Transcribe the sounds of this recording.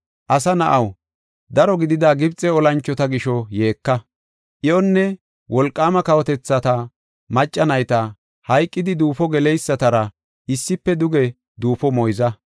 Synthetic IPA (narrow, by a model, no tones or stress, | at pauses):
ʔɐsɐnɐʔɐw | d̪ɐɾɔɡɪd̪ɪd̪aːɡɪbt͡sʼːɛɔlɐnt͡ʃːɔt̪ɐɡɪʃɔje̞ːkːɐ | ʔɪʔɔnːɛ | wɔlkʼːaːmɐkɐwɔt̪ɛt͡sːɐt̪ɐ | mɐt͡ʃʼːɐnɐjt̪ɐ | hɐjkʼːɪd̪ɪd̪uːfɔɡɛlɛjsːɐt̪ɐɾɐ | ɪsːɪpːɛd̪ʊɡɛ | d̪uːfɔmɔjzɐ